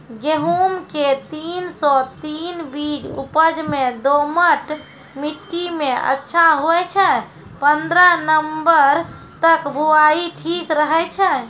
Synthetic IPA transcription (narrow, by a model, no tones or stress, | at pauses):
ɡeɦumket̪insɔt̪inbid͡ʒṵpəd͡ʒmẽd̪oməʈ | miʈːimeə̰tːʃʰaɦoɛt͡ʃʰɛ̃ | pənd̪ɾənəmbəɾ | t̪əkbʱuaiʈʰikɾəɦɛt͡ʃʰɛ̃